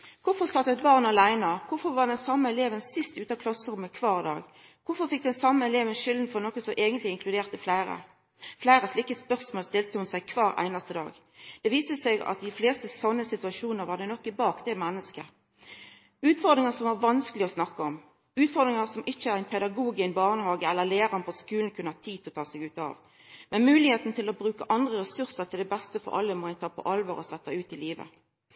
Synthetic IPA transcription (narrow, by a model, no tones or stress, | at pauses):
kʰʊfɔʁsɑt̪ːəɛt̪̚bɑʁnɑlæɪnəɑkʰʊfɔʁʋɑʁd̪ɛnsɑmːəɛleːʋənsɪst̪ʉːt̪ɑkʰlɑsəʁʊmːəkʰʋɑːʁd̪ɑ̰ːɡ | kʰʊfɔfɪk̚d̪ɛnsɑmːəɛleːʋənʃɪld̪n̩fɔnɔkːəsɔʔeːɡənt̪lɪɪŋkʰlʉd̪eːʁt̪əflæɪɾə̰ | flæɪʁəslɪkːəspœʁsmoːlst̪ɪlt̪əhʊnsæɪkʰʋɑːɾæ̰ɪnɑst̪əd̪ɑ̰ːɡ | d̪̥ɛʋiːst̪əsɛɡɑ̰t̪̚d̪ɪfleːst̪əsɔnːəsɪt̪ʉɑʃuːnəʁʋɑʁd̪ɛnɔkːɪbɑːkd̪ɛmɛnːəskə | ʉːt̪fɔʁd̪ʁɪŋəsɔmʋɑʁʋɑnskəlɪɔsnɑkːəɔm | ʉːt̪fɔʁd̪ʁɪŋəʁsɔmʔɪçːəæɾʁæɪnpʰɛd̪ɑɡuːɡɪnbɑːʁnəhɑːɡəɛlːəʁleːʁɑnfɔskʉːln̩kʰʉnəhɑt̪ʰiːt̪ʰɪlɔt̪ʰɑːsɛɡʉːt̪ɑ̰ʋ | mɛnmʉːlɪheːt̪n̩t̪ʰɪlɔbʁʉːkəʔɑnd̪ʁəʁɛsʉʁsəʁt̪ʰɪld̪ɛbɛst̪əfɔ̰ɾʔɑ̰lːəmɔæɪnt̪ʰɑːpʰɔ̰ʔɑlʋoːʁɔsɛt̪ːəʉːt̪ɪliːʋə̰